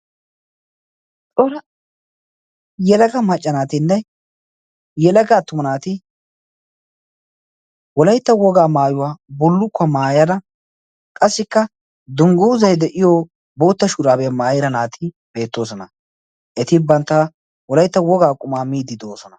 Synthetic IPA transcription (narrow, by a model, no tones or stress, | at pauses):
t͡sʼɔɾɐ | jɛlɐɡɐmɐt͡ʃʼːɐnaːt̪ɪnːɛ | jɛlɐɡaːt̪ːʊmɐnaːt̪ɪ | wɔlɐjt̪ːɐwɔɡaːmaːjʊwaːbɔlːʊkːɐmaːjɐd̪ɐ | kʼɐsːɪkːɐ | d̪ʊŋɡuːzɐjd̪ɛʔɪjo | bo̞ːt̪ːɐʃʊɾaːbɛjɐmaːjɪɾɐnaːt̪ɪ | b̥e̞ːt̪ːo̞ːs̬ɔnɐ | ʔɛt̪ɪbɐnt̪ːa | wɔlɐjt̪ːɐwɔɡaːkʼʊmaːmiːd̪ɪd̪o̞ːsɔnɐ